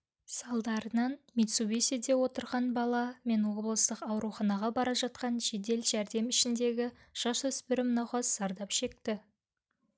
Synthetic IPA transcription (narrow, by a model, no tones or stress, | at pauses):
sɑlˠd̪ɑɾənɑnmet̪subesed̪e̞wo̞t̪əɾʁɑnbɑlˠɑme̞nwo̞blˠəst̪əqɑwɾuχɑnɑʁɑbɑɾɑʒɑt̪̚qɑnʒe̞d̪e̞lʒæɾd̪e̞mɪʃɪnd̪e̞ɡʲɪ | ʒ̥ɑswɵspɪɾɪmnɑwχɑsːɑɾd̪ɑpʃe̞k̚t̪ɪ